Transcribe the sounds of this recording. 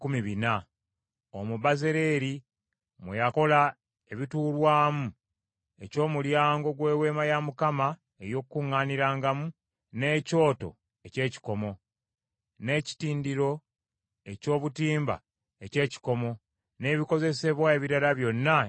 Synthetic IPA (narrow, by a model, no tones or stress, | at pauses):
kumiβina | omuβaze̞ɾe̞ɾi | mwḛjako̞la | e̞βituːlwaːmu | e̞co̞ːmuljaːŋɡo̞ɡwe̞ːwe̞ːmajamukama | e̞jo̞kkːuŋːaːniɾaːŋɡamu | ne̞ːco̞ːto̞̰ | e̞ce̞ːci̥ko̞mo̞ | ne̞ci̥tiːndiɾo̞ | e̞co̞ːβutiːmba̰ | e̞ce̞ːci̥ko̞mo̞ | ne̞ːβiko̞ze̞se̞βwaeβiɾalaβjo̞nːa